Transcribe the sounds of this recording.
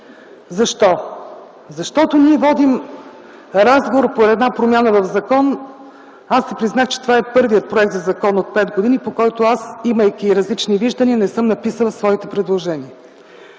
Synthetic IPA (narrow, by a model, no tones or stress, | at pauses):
zɐʃt̪ɔ | zɐʃt̪ɔt̪oniɛvɔd̪im | ɾazɡovoɾpoɛd̪napɾomʲjanəvɐvzɐkɔn | asːɛpɾiznaxt͡ʃɛ̥t̪ovaɛpɤɾviət̪̚pɾoɛk̚t̪zɐzɐkɔnot̪̚pɛd̪ɡod̪inipokɔjt̪ʊasiməjkʲiɾɐzlit͡ʃniviʒd̪əniənɛsɤmnɐpisəlˠɐsvɔit̪ɛpɾɛd̪lˠoʒɛniə